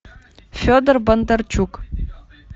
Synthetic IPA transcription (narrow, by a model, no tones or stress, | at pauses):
fʲod̪ərbənd̪ərt͡ɕuk